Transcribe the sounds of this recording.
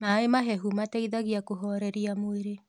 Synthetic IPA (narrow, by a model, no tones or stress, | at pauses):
naemaɦɛɦumatɛiðaɣiakoɦɔɾɛɾiamoeɾe